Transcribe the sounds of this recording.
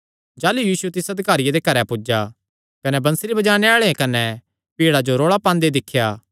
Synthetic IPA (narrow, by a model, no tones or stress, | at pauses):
d͡ʒaːlujiːsuɛt̪ɪsɐd̪ʱɪkaːɾɪjad̪ekɐɾɛpʊd͡ʒa | kɐnɛbɐ̃nseɾibɐd͡ʒaːɽ̃eaːɭeẽkɐnɛ | piːɽad͡ʒoɾoːɭapãːnd̪ed̪ɪkʰːjaː